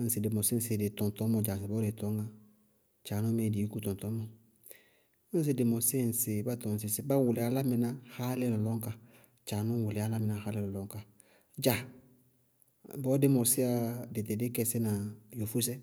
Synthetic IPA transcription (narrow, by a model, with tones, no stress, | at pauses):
n̩˦si˨dɪ˨mɔ˨se˦n̩˦se˨dɪ˨tɔ̃˨n˨tɔ˨˦mɔ˨d͡ʒa˨sɪ˨bɔ˦de˨tɔ˦ŋɡa˦ | t͡ʃaː˨nɔ˦me˨di˨˦ku˦tɔ̃˨nt̪ɔ˦mɔ˨ | a˦n̩˦s̬i˨de˨mɔ˨se˦n̩˨se˨ba˦tɔ˨n˨s̬i˨sɪ˦ba˦wu˨lɪ˨a˨˦la˦mɛ˨na˦ha˦le˦lɔ˨lɔ˦ŋka˦ | t͡ʃa˨nɔ˦wu˨lɪ˨a˦la˦mɪ˨na˨ha˦le˦˨lɔ˨lɔ˦ŋka˨ | d͡ʒa˨ | bɔ˦de˦mɔ˨sɪ˦a˦de˨te˨de˦kɛ˦˨se˦na˨jo˨fu˦s̬ɛ˦